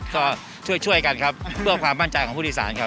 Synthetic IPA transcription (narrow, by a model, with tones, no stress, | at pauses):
kɔː˥˩ | t͡ɕʰu˥˩əjt͡ɕʰu˥˩əjka˧nkʰa˦˥p̚pʰɯ˥˩ɐkʰwaː˧mːa˥˩nt͡ɕa˧jkʰɔː˩˦pʰu˥˩iː˧˥˩sa̰ː˩˦nkʰa˦˥